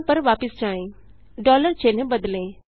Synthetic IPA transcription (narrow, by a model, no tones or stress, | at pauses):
pɐɾʋaːpɪsd͡ʒaːẽː | ɖɔːləɾt͡ʃeːnẽbɐd̪lẽː